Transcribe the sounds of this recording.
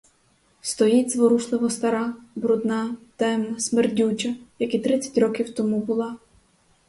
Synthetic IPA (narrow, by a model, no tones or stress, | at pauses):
st̪ɔjidʲzʋɔɾuʃlˠɪʋɔst̪ɐɾɑbɾud̪nɑt̪ɛmnɐsmerdʲut͡ʃɐjɐkit̪ɾɪt͡sʲːɐ̥tʲɾɔkʲiwt̪ɔmubʊlˠɑ